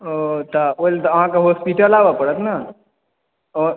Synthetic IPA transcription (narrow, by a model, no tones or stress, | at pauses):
ot̪aolt̪ɦãkaɦoːspiʈəlaːʋapəɽət̪na | ɔːɾ